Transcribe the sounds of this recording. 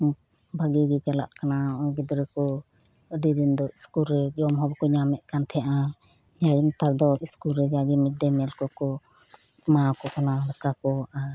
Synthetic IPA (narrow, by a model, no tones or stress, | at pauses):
baɡiɡɛt͡ʃala̰ʔkanaɔɡɛd̪ɔɾɛkɔ | ɖiɾind̪ɔiskulɾɛd͡ʒɔmɦɔbkɔɲamɛʔkant̪ʰɛjaʔa | d͡ʒajint̪aɾd̪ɔiskulɾɛd͡ʒaɡimɛɖɛmɛlkɔkɔ | makɔkanaɽəkakɔaɾ